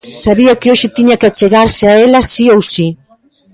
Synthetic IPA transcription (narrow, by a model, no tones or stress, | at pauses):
saβiakeoʃɪt̪iɲakat͡ʃeɣaɾseaelasiowsi